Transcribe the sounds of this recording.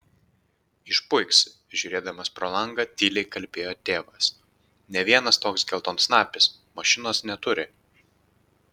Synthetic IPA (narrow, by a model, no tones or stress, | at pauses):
ɪʃpʊɪksʲ | ʒʲʊːɾʲeːd̪ɐmɐspɾoːlˠɐŋɡɐt̪ʲiːlʲɛɪkɐlʲpʲeːjoːt̪ʲeːʋɐs | nʲɛʋʲiɛnɐst̪oːksɡʲɛlˠt̪oːnsnɑːpʲɪs | mɐʃʲɪnoːsnʲɛt̪ʊɾʲɪ